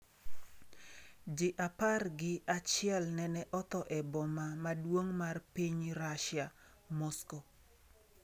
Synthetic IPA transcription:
d͡ʒɪʔaparɡɪat͡ʃɪɛlnɛnɛʔɔt̪ɔʔɛbɔmamadwoŋmarpiɲɾaʃja | mɔsko

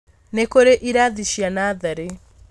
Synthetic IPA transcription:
nekoɾeʔiɾaðiʃjanaðaɾe

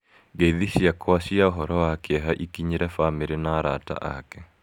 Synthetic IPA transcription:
ɡeðiɕjakwasiaoɦɔɾɔwakeɛɦaʔikiɲeɾɛfameɾenaːɾata̰ʔa̰kɛ

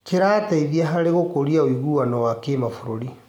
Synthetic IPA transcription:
keɾaːtaiðiaɦaɾeɣokoɾiaoiɣuwanɔwakemafuɾoɾi

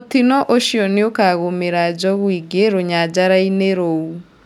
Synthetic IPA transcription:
otinɔʔoʃiɔneokaɣomeɾad͡ʒɔɣwiɡeɾoɲad͡ʑaɾaineɾou

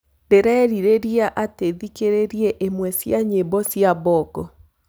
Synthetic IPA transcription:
deɾɛːɾiɾeɾiaʔateðikeɾeɾiɛʔemwɛsjaɲebɔsjaβɔkɔ

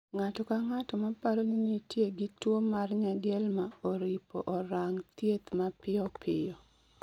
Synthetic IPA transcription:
ŋatɔkaŋatɔmapaɾoninitjeɡɪtwomarɲadjeɛlmaoɾipɔʔɔɾaŋt̪jet̪mapɪɔpʰɪjɔ

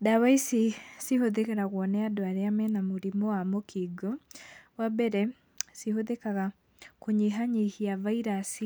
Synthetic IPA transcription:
dawaisisihoðekeɾaɣwɔnɛadoaɾeamɛnamoɾimɔwamokʰiɡɔwabɛɾɛ | sihoðekaɣa | koɲiɦaɲihiavaiɾasi

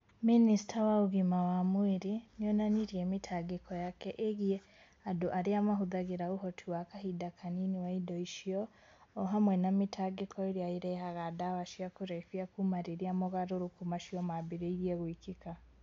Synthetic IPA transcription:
minisi̥tʰawauɣimawamweɾinɔnaniɾiɛmitʰaɡekɔjakɛʔeɣjɛ | adoʔaɾeamaɦuðaɣeɾauɦɔtʰiwakaɦidakʰaniniwaidɔiʃiɔː | ɦamwɛnamitʰaɡekʰɔeɾiaiɾɛɦaɣadawaʃiakoɾɛfiakumaɾeɾiamoɣaɾoɾukumaʃiɔmabeɾeiɾjɛɣwikika

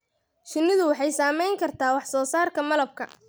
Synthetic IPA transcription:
ʃɪnːɪðʊwɑħɑjsaːmɛjŋkʰɐrt̪ʰaːwɑħsɔːsaːrkʰɐmɐlɐb̚kʰɐ̰

